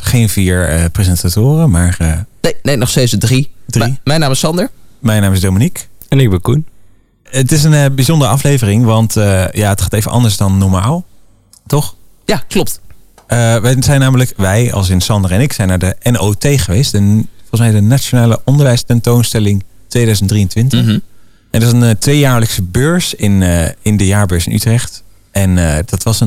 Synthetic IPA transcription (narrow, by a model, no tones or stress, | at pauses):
χejnviːɹəprezɛntatʊːrəmaːɹənenejnɔχstejtsdədridrimɛjnaːmɪsɑndəɹmɛjnaːmɪzdowminikɛnɪɡ̚bɛnkun | ətɪs̬ənbizɔndərəɑflejvərɪŋʋɑntəjaːətχaːtejvənʔɑ̰ndəɹsdɑnːɔɹmaːlˠ | tɔχjaklɔp̚t | əʋɛzɛjnaːmələkʋɛjɑ̰lˠs̬ɪnsɑndərɛnɪksɛjnaːɹdəʔɛnoːtejχəʋejstdəfɔlˠəsmɛjdənat͡ʃonaːləʔɔndəɹʋɛjstɛntownstɛlɪŋ | tʋejdœɥzəntdriəntʋɪntəχ | ɛndsəntʋejjaːɹləksəbøːɹsɪnɪndəjaːɹbøːɹsɪ̰nʔytrɛχt | ʔɛnədɑtʋɑsə